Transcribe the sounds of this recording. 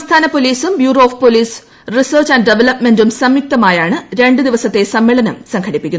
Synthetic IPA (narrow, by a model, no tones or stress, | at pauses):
ɐmst̪ʰaːnɐpoliːsumbjuːroːfpoliːs | risɐːrt͡ɕɐnɖɖeʋelɐpme̞ndumsɐmjuk̚t̪ɐmaːjaːɳɨɾe̞ɳɖɨd̪iʋɐsɐt̪ːe̞sɐmːiːɭɐnɐmsɐŋkʰɐɽipːikʲːun